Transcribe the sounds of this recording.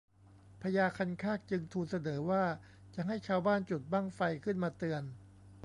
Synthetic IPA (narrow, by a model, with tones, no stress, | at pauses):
pʰa˧jaː˧kʰa˧nkʰaː˥˩k̚t͡ɕɯ˧ŋt̪ʰuː˧nsa˧nɤː˩˦waː˥˩ | t͡ɕa˨˩ʔɦa˥˩jt͡ɕʰaː˧wbaː˥˩nt͡ɕu˨˩t̪̚ba˥˩ŋfa˧jkʰɯ˥˩nmaː˧t̪ɯ˧ən